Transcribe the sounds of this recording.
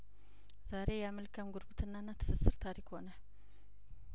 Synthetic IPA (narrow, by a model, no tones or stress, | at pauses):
zaɾe̞jɛaməlkʰəmɡuɾɡut̪ʰɨnːanːat̪ʰɨ̥sɨsːɨɾt̪ʰaɾikho̞nəl